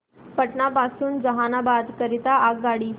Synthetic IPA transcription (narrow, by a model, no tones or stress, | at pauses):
pəʈɳapasuːnd͡zəɦanabad̪kəɾit̪aʔakɡaɽiː